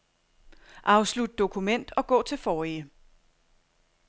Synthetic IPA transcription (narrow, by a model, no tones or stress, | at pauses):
ʔɑ̈ʊslud̥̚d̥o̝kʰumen̰d̥ɒ̽ɡ̥ɔ̰̽ːt͡sʰe̝lfɒːiə